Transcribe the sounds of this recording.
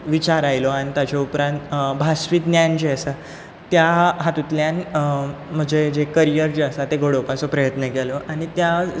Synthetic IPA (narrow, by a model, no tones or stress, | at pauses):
ʋit͡ɕaɾajlɔaɽ̃it̪at͡ɕaupɾãnt̪bʱasʋit̪njand͡ʑeəsa | t̪jaɦat̪ut̪ljãn | m̤əɡd͡ʑed͡ʑekəɾijəɾd͡ʑeəsat̪eɡʱoɽokat͡sɔpɾəjət̪nəkelɔʔaɽ̃it̪ja